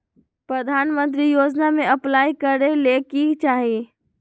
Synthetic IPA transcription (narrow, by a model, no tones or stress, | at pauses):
pɾəd̪ʱaːnmə̃nt̪̬ɾijoːd͡ʒnamẽəplaːikəɾelekit͡ʃaːɦi